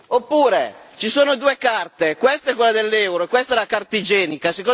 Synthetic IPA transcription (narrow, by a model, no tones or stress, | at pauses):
opːuːɾet͡ʃisoːnod̪uːekart̪ekwɛst̪aɛkːwelːad̪elːɛwɾoekːwɛst̪aɛlakart̪id͡ʒɛːnikaseko